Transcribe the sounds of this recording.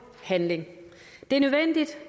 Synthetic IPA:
hænle̝ŋ | d̥e̝æɐnøðˠʋen̰d̥id̥

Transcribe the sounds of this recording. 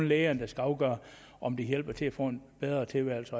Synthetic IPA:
nleːɐnd̥æsɡ̥æɑ̈ʊɡ̥ɶːɐ | ʔɒ̽md̥ijel̰b̥ɐt͡sʰe̝æfɔ̰ːe̝nb̥eð̞ˠʁɐt͡sʰe̝lʋæɐlsɒ

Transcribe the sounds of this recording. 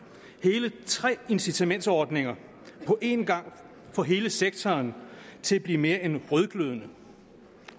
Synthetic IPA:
he̝ːlət͡sʰʁɛ̰ːe̝nsit͡sʰæmen̰d̥sɒːd̥ne̝ŋɐ | pʰɒ̽ʔe̝nɡ̥ɑ̈ŋ̰ | fɒ̽ɦe̝ːləseɡ̥̚t͡sʰɒːnt͡sʰe̝læb̥liːme̝ːɐenʁœðˠɡ̥løðˠənə

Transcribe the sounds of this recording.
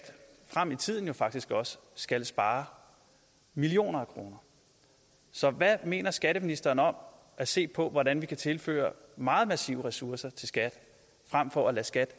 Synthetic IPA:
d̥fʁam̰it͡sʰið̞̰ˠn̩jo̝fɑ̈ɡ̥d̥isɡ̥ɒ̽sə̥sɡ̥ælsb̥ɑ̈ː | milio̝̰ːnɐækʰʁo̝ːnɐ | sɒ̽ʋæme̝̰ːnɐsɡ̥æɾəminisd̥ɐːn̩ɒ̽m̰ | ʔæse̝̰ːpʰɒ̽ʋɒdænʋikʰæt͡sʰe̝lfø̰ːɐmɑ̈ːð̩ˠmæsḭːʊʁɛsuɐsɐt͡sʰe̝lsɡ̥æd̥ | fʁam̰fɒ̽ælæsɡ̥æd̥

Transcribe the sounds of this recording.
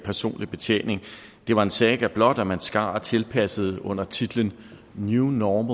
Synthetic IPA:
pʰæɐso̝̰ːnlib̥e̝t͡sʰjḛːne̝ŋ | d̥e̝ʋɑ̈e̝nsɛːɡ̥æb̥lɒ̽d̥ɒmænsɡ̥ɑ̈ːt͡sʰe̝lpʰæsəð̞̩ˠɔ̽n̰ɐt͡sʰid̥l̩ən | njunɒːm

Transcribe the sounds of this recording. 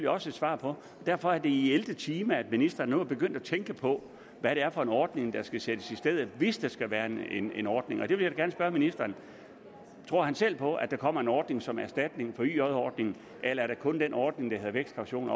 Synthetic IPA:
ljiɒ̽səed̥sʋɑ̰̈ːpʰɒ̽ | d̥æɐ̰fɒ̽æɐd̥e̝ield̥ət͡sʰiːmææd̥minisd̥ɐːnːuɑb̥e̝ɡ̥øn̰d̥æt͡sʰeŋɡ̥əpʰɒ̽ | ʋæɾ̥e̝æɐfɒ̽e̝nɒːd̥ne̝ŋd̥ɑ̈sɡ̥æsed̥əsisd̥eð̰ˠʋe̝sd̥ɑ̈sɡ̥æʋæːɐene̝nɒːd̥ne̝ŋɒ̽d̥eʋe̝ljaɡ̥æɐnəsb̥ɶɐminisd̥ɐːn | t͡sʰʁo̝ɐ̰hænsel̰pʰɒ̽ʔæd̥ɑ̈kʰɒ̽m̰ɐe̝nɒːd̥ne̝ŋsɒ̽mæɐsd̥æd̥ne̝ŋfɒ̽y̰ːɒðˠɒːd̥ne̝ŋn̩ | ʔelɐæɐɾɑ̈kʰɔ̽nd̥enɒːd̥ne̝ŋd̥ɑhe̝ðˠʋeɡ̥sd̥kʰɑ̈ʊɕo̝̰ːn

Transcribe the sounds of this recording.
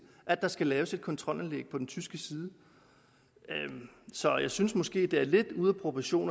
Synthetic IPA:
ʔæd̥ɑ̈sɡ̥ælɛːʊse̝d̥̚kʰɒ̽nt͡sʰʁɒ̽l̰ænleɡ̥̚pʰɒ̽d̥en̩t͡sʰysɡ̥əsiːð̞ˠə | sɒ̽jɑ̈ɪsynsmɒ̽sɡ̥e̝̰ːd̥e̝æɐle̝d̥uð̞ˠɐpʰʁopʰæɕo̝̰ːn

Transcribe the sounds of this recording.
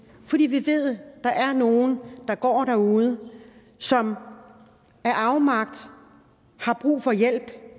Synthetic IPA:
fɒ̽d̥ḭːʋiʋe̝ð̞̰ˠd̥ɑ̈ʔæɐno̝ːn̩d̥ɑ̈ɡ̥ɒ̰ːɾ̥æɐuːð̞ˠə | sɒ̽m | æɐʔɑ̈ʊmɑ̈ɡ̥̚d̥ | hɑ̈b̥ʁṵːfɒ̽jel̰b̥

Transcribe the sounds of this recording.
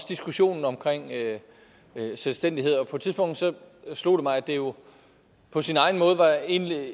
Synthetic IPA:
d̥isɡ̥uɕo̝̰ːnn̩ɒ̽mkʰʁeŋ̰ø | selsd̥en̰d̥ie̝ð̞̰ˠɒ̽pʰɒ̥̽t͡sʰiðˠsb̥ɔ̽ŋ̰d̥sɒ̽slo̝̰ːɾ̥e̝mɑ̈ɪæd̥e̝jo̝ | pʰɒ̽sinɑ̈ɪn̩mɔ̽ːð̞̩ˠʋɑ̈e̝ni

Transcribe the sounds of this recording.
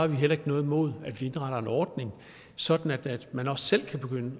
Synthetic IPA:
ɑ̈ʋiɦel̰ɐe̝ɡ̥ənɔ̽ːð̩ˠmo̝ð̞̰ˠæd̥ʋie̝nʁɑɾ̥ɐe̝nɒːd̥ne̝ŋ | sɒ̽d̥n̩æd̥æd̥mænɒ̽sːel̰kʰæb̥e̝ɡ̥ønə

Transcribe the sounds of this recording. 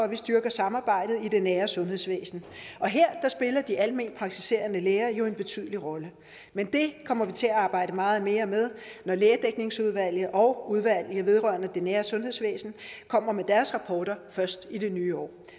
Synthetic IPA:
ɒʋisd̥ɶɐɡ̥ɐsɑ̈mɑ̈ːb̥ɑ̈ɪ̰d̥ð̩ˠid̥enæːɐsɔ̽nhe̝ð̰ˠsʋḛːsn̩ʔɒ̽ɦeɐ̰d̥ɑ̈sb̥e̝lɐd̥iʔælme̝̰ːn̥pʰʁɑ̈ɡ̥̚t͡sʰise̝̰ːɐnəleːɐjo̝e̝nb̥e̝t͡sʰy̰ð̞̰ˠəliʁɒ̽lə | mend̥e̝kʰɒ̽m̰ɐʋit͡sʰe̝æɑ̈ːb̥ɑ̈ɪ̰d̥əmɑ̈ːð̞̩ˠme̝ːɐmeð̞ˠnɒleːɐd̥eɡ̥ne̝ŋsuð̞ˠʋæl̰jəʔɒ̽ʊuð̞ˠʋæl̰jəʋe̝ð̞ˠʁɶɐnəd̥enæːɐsɔ̽nɦe̝ðˠsʋḛːsn̩kʰɒ̽m̰ɐmed̥æɐsʁɑ̈pʰɒːɾ̥ɐfɶɐsd̥id̥e̝nyːɒ̰ː

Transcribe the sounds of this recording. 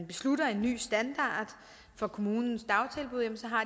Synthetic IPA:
nb̥e̝sluɾɐe̝nːy̰ːsd̥ænd̥ɑ̰̈ːd̥ | fɒ̽kʰo̝muːnn̩sd̥ɑ̈ʊt͡sʰe̝lb̥uð̞ˠjemn̩sɒ̽ɦɑ̈

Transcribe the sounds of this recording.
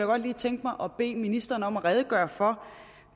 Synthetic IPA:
jaɡ̥ɒ̽d̥liːt͡sʰeŋ̰ɡ̥mɑ̈ɪʔɒ̽b̥e̝̰ːminisd̥ʁɐːnəɒ̽mæʁɛð̞ˠəɡ̥ɶːɐfɒ̽

